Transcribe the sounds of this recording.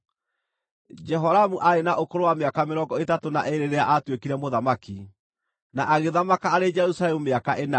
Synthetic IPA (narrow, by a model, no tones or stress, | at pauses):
d͡ʒɛɦɔɾamuʔaenaʔokoɾowameakameɾɔːŋɡɔetatonaʔeɾeɾeaʔatwekiɾɛmoðamaki | naʔaɣeðamakaːɾed͡ʒɛɾusalɛmumeakaʔena